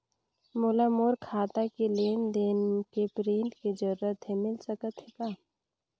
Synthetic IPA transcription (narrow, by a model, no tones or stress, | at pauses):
mʊlamoːɾkʰaːt̪akileːnd̪eːnkepɾĩːɳʈkid͡ʒəɾːət̪ɦemɪlsəkət̪ɦekaː